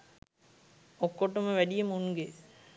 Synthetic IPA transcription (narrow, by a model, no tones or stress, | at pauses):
okːoʈːɐmɐʋæɖijɐmuŋɡe